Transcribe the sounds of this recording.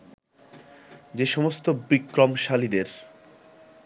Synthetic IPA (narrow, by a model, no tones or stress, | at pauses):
d͡ʑeʃɔmost̪obikɾomʃalid̪eɾ